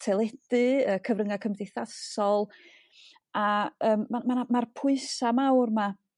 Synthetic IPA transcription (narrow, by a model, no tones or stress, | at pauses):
tʰɛlˠɛd̥ɨəːkʰəvɾrəŋakʰəmdɪθasɔlˠ | aəːmːamanamarpʰʊɨsamawrma